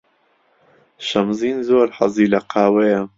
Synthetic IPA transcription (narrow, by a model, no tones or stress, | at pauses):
ʃɐmziːnzoːɾħɐ̰ziːlɐqʰaːwɐjɐ